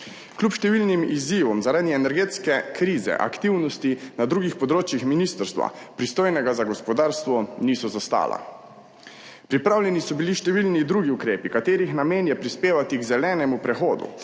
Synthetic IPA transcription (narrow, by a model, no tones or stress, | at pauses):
klʲupʃt̪ɛʋilnimiziːʋɔmzaɾaːd̪iɛnɛɾɡeːt̪skɛkɾiːzɛ̰ʔa̰kt̪iwnɔst̪inad̪ɾuːɡixpɔd̪ɾoːt͡ʃjixminist̪əɾst̪ʋa̰pɾist̪oːjnɛɡazaɡɔspɔd̪aːɾst̪ʋɔniːsɔzast̪a̰ːla̰ | pɾipɾaːwlʲjɛnisɔbiliʃt̪ɛʋilnid̪ɾuːɡiukɾeːpikat̪eːɾixnameːnjɛpɾispeːʋat̪iɡzɛlɛːnɛmupɾɛxoːd̪ṵ